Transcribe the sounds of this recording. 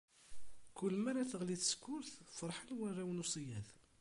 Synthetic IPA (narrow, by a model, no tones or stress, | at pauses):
kʊlːəmæɾæθəʁliθə̥skːʊɾθfəɾˤħəlwærːæwnusˤijæθ